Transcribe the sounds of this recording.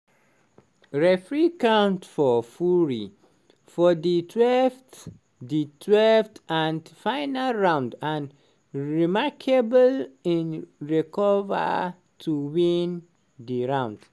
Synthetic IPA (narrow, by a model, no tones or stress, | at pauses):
ɹefɹikãntfɔfuɹḭ | fɔditʰwɛft | ditʰwɛlftãndfãɪnalɹãʊ̃ndãn | ɹimaɹkʰebəlĩnɹikʰɔvə̰ | tʰuwĩn | diɹãʊ̃nd̥